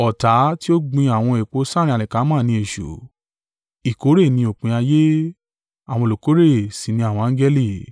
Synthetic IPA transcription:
ɔ˨ta˨˦ti˦o˦ɡ͡bĩ˧a˨w̃ɔ̃˧e˨k͡po˨˧˦sã˦ɾ̃ĩ˧˦a˨lɛ˨ka˨˦mãː˦˨nĩ˧e˨ʃṵ˨ | i˨ko˨˦ɾe˦˨nĩ˧o˨k͡pĩ˨˧˦a˧je˦ | a˨w̃ɔ̃˧˨lo˨ko˨˦ɾe˦˨si˨nĩ˧a˨w̃ɔ̃˧ã˦ɡɛ˦li˦˨

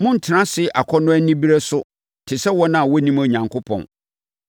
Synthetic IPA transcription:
mʊ̃˦n̩˨tʰɪ˨nã˦sɪ˦˨ʔa˨kʰɔ˦nʊ̃˦æ˦nĩ˦bi˦ɾe˦sʊ˦ | tʰɪ˨sɛ˦wɔ˦nã˨wɔ˦nĩ˦mo˨ɲã˨ŋkʰʊ˦pʰɔ̰̃˨n

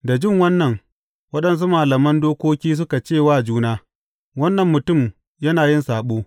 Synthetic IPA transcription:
da˨d͡ʒɪ˦ŋwɐ˦nːɐ˨ŋ | wɐ˦ɗɐ˦ns̬u˦maː˨lɐ˨mɐ˦ndoː˦kʷoː˦kʲiː˦s̬ʊ˦ka˨t͡ʃeː˦˨waː˦˨d͡ʒuː˦naː˦ | wɐ˦nːɐ˨mːʊ˨tʊ˦˨m | jɐ˦naː˨jɪ˦nsaː˨ɓoː˦

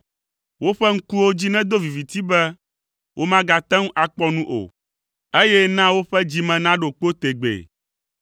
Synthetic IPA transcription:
wo˦ɸɛ˦ŋ̩˦ku˦wo˦d͡ʑi˦nɛ̃˦d̪o˦vi˨vi˨t̪i˦bɛ˦ | wʔo˦mã˦ɡa˨t̪ɛ̃˦ŋ˦ʔa˨k͡pɔ˦nũ˦ʔo̰˨ | e˦jɛ˦nã˦wo˦ɸɛ˦d͡ʑi˦mɛ̃˨nã˦ɖo˨k͡po˦t̪e˨ɡ͡bḛ˨

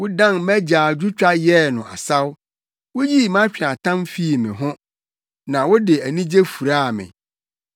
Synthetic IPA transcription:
wʊ˦dã˦nmæ˦d͡ʑaː˨d͡ʑu˦t͡ɕᶣa˦jɛ˦˨nʊ̃˨a̰˨sa˦w | wʊ˦ji˦˨mã˦t͡ɕᶣa˨tʰã˦mfi˦˨mɪ̰̃˨ɦʊ̃˦ | nã˨wʊ˦dɪ˨æ˨nĩ˦d͡ʑe˦fu˨ɾa˦a˨mɪ̰̃˨

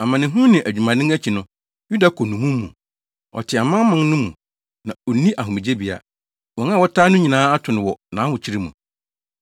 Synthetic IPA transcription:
a˨mã˨nɪ̃˨ɦũ˦nɪ̃˨ʔæ˨d͡ʑᶣu˨mã˨nɪ̃˦ŋæ˦t͡ɕʰi˨nʊ̃˦ | ju˦da˨kʰɔ˨nʊ̃˨mũ˦mː˦ũ˨ | ɔ̰˨tʰɪ˨a˨mã˦mã˦n˦nʊ̃˦mũ˨ | nã˨ɔ˨˦nĩ˦ʔa˨ɦʊ̃˨mĩ˨d͡ʑe˦bi˨a̰˨ | wɔ̃˨ŋ˦ã˦˨wɔ˦tʰaː˦nʊ̃˦ɲĩ˨nãː˦a˦tʰʊ˨nɪ̃˨wɔ˨nã̰˨˦hʊ̃˨t͡ɕʰi˦ɾi˦mṵ̃˨

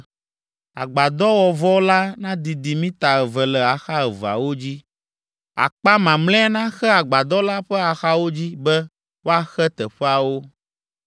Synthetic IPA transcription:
a̰˨ɡ͡ba˨d̪ɔ˦wɔ˨vɔ˦la˦nã˦d̪i˨d̪i˨mĩ˦t̪a˨ɛ˨vɛ˨lɛ˨a˨xa˦ɛ˨va̰˨wo˦d͡ʑi˦ | a̰˨k͡pa˦mã˨mlɛ̃˦ɛ˦nã˦xɛ˦a˨ɡ͡ba˨d̪ɔ˦la˦ɸɛ˦a˨xa˦wo˦d͡ʑi˦bɛ˦ | wo˦a˦xɛ˦t̪ɛ˨ɸɛ˦a˨wo˦

